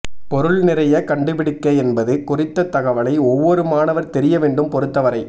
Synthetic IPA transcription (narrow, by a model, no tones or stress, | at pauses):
pɔɾɯɭnɪɾɐjɐkɐɳɖɯbɪɽɪkːɐɛnbɐðɯkʊrɪt̪ːɐt̪ːɐɣɐʋɐlɐɪɔʋːɔɾɯmaːnɐʋɐɾt̪ɛɾɪjɐʋeːɳɖɯmpɔɾɯt̪ːɐʋɐɾɐɪ